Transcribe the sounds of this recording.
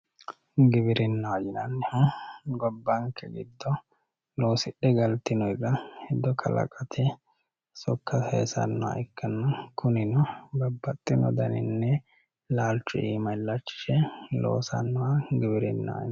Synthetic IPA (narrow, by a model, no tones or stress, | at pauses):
ɡɪbɪɾɪnːɐwad͡ʒɪnɐnːɛhʊɡɔbːɐŋkːɛɡɪ̰d̪ːɔ | lo̞ːsɪɗːɛɡɐlt̪ːɪnɔjkːɐhɛd̪ːɔkʰɐlɐ̰kʼɐt̪ʰɛ | sɔkːɐhḛːsɐ̰nːɔwa̰ʔɪkːɐnːɐkʰʊnɪnɔbɐbːɐt̪ʼːɪnɔ̰d̪ɐnɪ̰nːɛ | laːlt͡ʃːʊʔiːmɐɪlːɐt͡ʃːɪ̥ʃɛlo̰ːsɐnːɔwaɡɪbɪɾɪ̰nːɐ̰wa̰